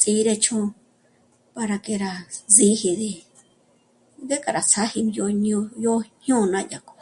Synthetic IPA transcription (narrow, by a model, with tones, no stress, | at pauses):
t͡sʼi˧˦ɾe˧t͡ʃʰõ˦˧ | pa˧ɾa˧ke˧ɾa˧zĩ˧˦hi˧ði˧ | ɡe˦kʼa˨ɾa˨t͡sʰa˦hi˧jo˧ɲ˧jo˧ɲũ˦˧nã˦ja˨ko̥˧˨